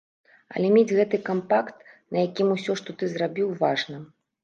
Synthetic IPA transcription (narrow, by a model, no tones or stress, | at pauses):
ɐ̰lʲɛmʲed͡zʲɣɛt̪ɨkampakt̪̚nɐjakʲimusʲɔʂt̪ɔt̪ɨzrabʲiwvaʐnɐ